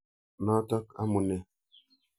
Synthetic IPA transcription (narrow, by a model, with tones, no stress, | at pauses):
na˦tɔ˦ka̰˦mu˨nɛ˨